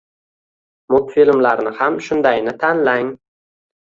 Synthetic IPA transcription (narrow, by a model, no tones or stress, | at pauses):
mʊt̪filmlaɾnɪhamʃʊnd̪ajnɪt̪ʰanlaŋ